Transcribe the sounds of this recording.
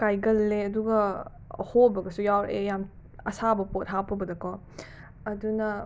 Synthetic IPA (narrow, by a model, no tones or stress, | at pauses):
kajɡɐlːeɐduɡɐ | hobɐɡɐsujawɾejam | ɐ̰sabɐpot̚ɦapɐbɐdɐkɔ | ɐdunɐ